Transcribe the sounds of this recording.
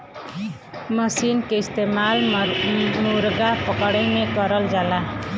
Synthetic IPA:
məsinkeist̪emal | muɾɡapɔkɔɽejnekɔɾɔld͡ʒala

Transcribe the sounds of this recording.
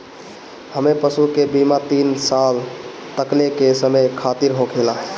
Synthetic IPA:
həmepəsukebimat̪insal | t̪əklekesəmejkʰat̪iɾɦokʰelaɦ

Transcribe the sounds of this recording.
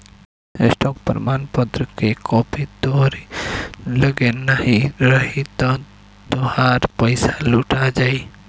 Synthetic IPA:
sʈɔːk̚pəɾmaːnpət̪ɾəkekɔːpid̪oːɾi | ləɡenahiɾəɦit̪ɔ̃ | t̪ohaːɾpəɪsaluːʈad͡ʒaːi

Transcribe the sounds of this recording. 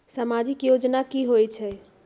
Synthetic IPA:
səmad͡ʒikjod͡ʒnakiɦojt͡ʃʰɛ

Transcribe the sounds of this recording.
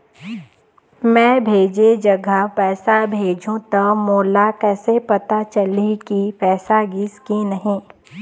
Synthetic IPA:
mɛ̃ːbʱeːd͡ʒed͡ʒɐɡəpɛːsabʱeːd͡ʒʱũt̪ɐmoːlakɛːsepɐt̪at͡ʃɐlikipɛːsaɡɪskinɐɦĩː

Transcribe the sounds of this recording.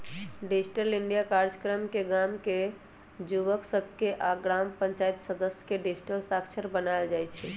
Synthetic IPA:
ɖid͡ʒʈəliɳɖijakaɾd͡ʒəkɾəmkeɡamke | d͡ʒuʋəksəbʱkeʔaɡɾampə̃ɲt͡ʃait̪səd̪əsjə̥keɖid͡ʒʈəlsakt͡ʃʰəɾbənaeld͡ʒajt͡ʃʰɛ

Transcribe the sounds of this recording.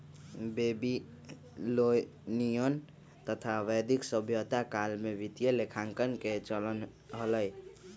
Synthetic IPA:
bebi | lo | nijən | t̪ət̪ʰaʋəjd̪iksəbʱjot̪akalmebit̪ijəlekʰaŋkənket͡ʃələn | ɦələj

